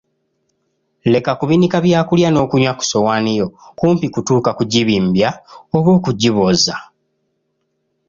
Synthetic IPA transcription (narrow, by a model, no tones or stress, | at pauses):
le̞kakuβinikaβjaːkuljano̞ːkuɲwaku̥so̞wanijo̞kuːmpikutuːkakuɟiβiːmbjaoβwo̞ːkuɟiβoza